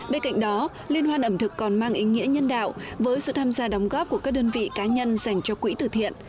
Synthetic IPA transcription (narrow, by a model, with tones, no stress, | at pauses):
ɓe˧nka̰˧˨jŋ̟ɗɔ˨˦ | li˧ənhwaː˧nʔə˧˩mt̪ʰɨ˨˩kːɔ˨˩nmaː˧ŋʔi˨˦ŋḭ˧˥əɲə˧nɗa̰ː˧˨wvəː˨˦jsɨ̰˧˨t̪ʰaː˧mzaː˧ɗɔ˨˦wŋ͡mɣɔ˦˥p̚ku˧˩əkaː˦˥k̚ɗəː˧nvḭ˧˨kaː˨˦ɲə˧nza˧˩jŋ̟t͡ɕɔ˧kwḭ˧˥t̪ɨ̰˧˩t̪ʰḭ˧˨ənʔ